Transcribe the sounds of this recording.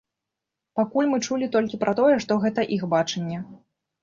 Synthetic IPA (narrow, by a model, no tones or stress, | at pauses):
pakulʲmɨt͡ʂulʲit̪ɔlʲkʲipɾʔɐt̪ɔjɛʂt̪ɔɣɛt̪ɐʔixbat͡ʂɛnʲːɛ